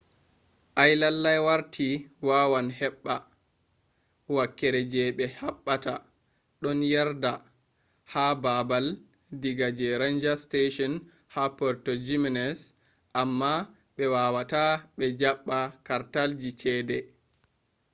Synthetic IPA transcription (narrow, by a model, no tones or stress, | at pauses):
ʔajlalːajwaɾtʰiwawanhɛɓːa | wakːɛɾɛd͡ʒɛɓɛhaɓːata | ɗɔnjaɾda | hababal | diɡad͡ʒɛɾand͡ʒasteʃɔn | hapɔɾtɔd͡ʒiminɛs | ʔamːa | ɓɛwawataɓɛd͡ʒaɓːakaɾtald͡ʒit͡ʃɛːdɛ